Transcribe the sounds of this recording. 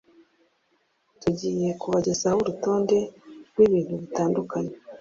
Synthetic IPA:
tuɟiːje̞kuβaɟezahoɾuto̞ːnde̞ɾɡwiːβiːn̥huβitaːndukaɲe

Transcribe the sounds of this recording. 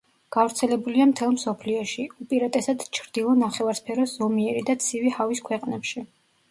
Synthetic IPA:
ɡ̥avɾt̪sʰɛlɛbuliamt̪ʰɛlˠmsɔpʰliɔʃiupʼiɾat̪ʼɛsad̪t͡ʃʰɾd̪ilˠɔnaχɛvaɾspʰɛɾɔszɔmiɛɾid̪at̪sʰivihaviskʰwɛqʼnɛpʃi

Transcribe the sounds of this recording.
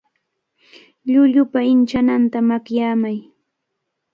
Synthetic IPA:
ʎʊʎʊpaɪnt͡ʃanant̪amakjaːmaj

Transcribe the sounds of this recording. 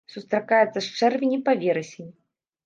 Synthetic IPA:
sust̪ɾakajɛt̪sːɐst͡ʂɛrvʲenʲipavʲɛɾɛsʲenʲi

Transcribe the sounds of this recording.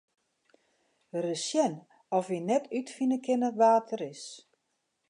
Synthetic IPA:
rəsjɛn | ɔfʋinɛtʰytfinəkʰɪnəʋaːtʰəɾɪs

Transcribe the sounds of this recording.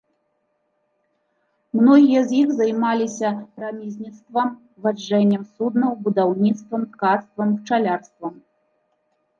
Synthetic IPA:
mnɔɣʲijɐzʲjixzajmalʲisʲɐpɾamʲizʲnʲit̪st̪vɐm | vad͡ʐːɛnʲːɛmsud̪nɐwbud̪awnʲit̪st̪vɐmt̪kat̪st̪vɐmt͡ʂalʲarst̪vɐm

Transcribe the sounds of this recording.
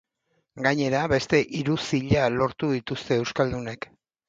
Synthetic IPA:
ɡaɲe̞ɾaβe̞st̪e̞ʔiɾusiʎalo̞ɾt̪uðit̪ust̪e̞ːwskald̪une̞k

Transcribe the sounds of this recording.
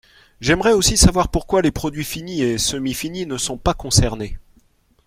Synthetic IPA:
ʒɛmʁɛosisavwaʁpuʁkwalepχɔd̪ɥifiniesəmifininəsɔ̃pakɔ̃sɛʁne

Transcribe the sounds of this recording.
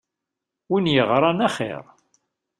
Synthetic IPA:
winjəʁɾˤɑnaχḛɾˤ

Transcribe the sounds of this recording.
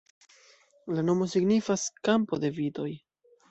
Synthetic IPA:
lano̞mo̞siɡnifaskampo̞de̞vido̞j

